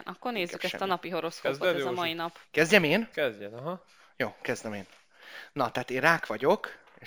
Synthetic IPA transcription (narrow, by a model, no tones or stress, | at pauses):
nʔɒkːo̞rneːzːykɛst̪ɒnɒpiɦo̞ɾo̞skooɛzɒmɒinɒpkɛzɟɛmeːnkɛzɛɦ | joːkɛzd̪ɛmeːn | nɒt̪ɛɦaːt̪eːraːkʋɒɟo̞k | e